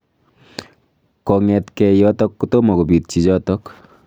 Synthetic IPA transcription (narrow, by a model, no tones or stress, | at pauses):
kɔŋɛt̪kɛjɔt̪ɔkːut̪omɔɡobit̚t͡ʃid͡ʒɔt̪ɔk